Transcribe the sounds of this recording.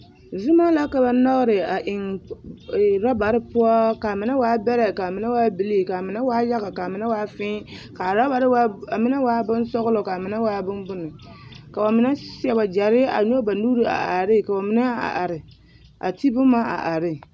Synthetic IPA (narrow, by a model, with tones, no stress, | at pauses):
zu˦ma˦la˦ka˨ba˦nɔ˦ɣɾɪ˨a˨ʔɪ˨ŋ˨ | ɾa˦ba˨ɾɪ˦pu˦ɔ˦ka˨mɪ˨na˦waː˦bɛ˦ɾɛ˨ka˨mɪ˨˦na˦waː˦bi˨li˦˨ka˨mɪ˨na˦waː˦ja˦ɣa˨ka˨mɪ˨na˦waː˦fɪ˦ka˨ɾa˦ba˨ɾwa˦a˨mɪ˦na˦waː˦bʊ˦nsɔ˦ɣʊ˦lɔ˨ka˨mɪ˨na˦waː˦bʊ˦nbʊ˦nɨ˨ka˨ba˨mɪ˦na˦si˦ɛ˨ba˨d͡ʒa˨ɾɪ˦a̰˨ɲo˦ba˨nuː˦ɾi˨a̰˨ʔa˨ɾɪ˦˨ka˨ba˨mɪ˦na˦a̰˨ʔa̰˨ɾɪ˨ | a̰˨ti˦bʊ˦ma˦a̰˨ʔa˨ɾɪ˦